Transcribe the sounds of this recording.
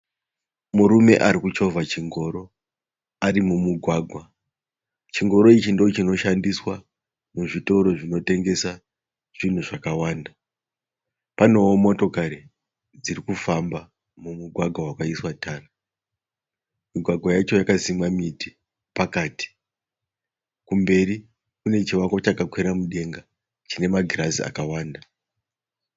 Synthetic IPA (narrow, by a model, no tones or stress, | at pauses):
muɾume̞̰ʔaɾikut͡ʃo̞vat͡ʃiŋɡo̞ɾo̞ | aɾimumuɡʱwaːɡʱwa | t͡ʃiŋɡo̞ɾo̞it͡ʃindoot͡ʃino̞ʃandiswa | muʐito̞ɾo̞ʐino̞te̞ŋɡe̞sa | ʐ̥in̤uʐakawaːnda | pano̞ːmo̞to̞kaɾi | d͡zirikufamba | mumuɡʱwaɡʱawakaiswatʰaːna | miɡʱwaɡʱwajat͡ʃo̞jakazimamiti̥ | pakaːti̥ | kumbe̞ɾi | kune̞t͡ʃiwako̞t͡ʃakakweɾamuɗe̞ŋɡa | t͡ʃine̞maɡʱirazḭa̰kawaːnda